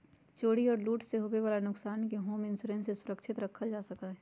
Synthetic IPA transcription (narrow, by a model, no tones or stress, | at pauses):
t͡ʃoːɽiɔːɾluːʈseɦobeʋaːlanʊksaːnkeɦoːmɪ̃nsuɾɛ̃ːnsesʊɾəkʃɪt̪ɾɐkʰːad͡ʒaːsɐkaɦɛ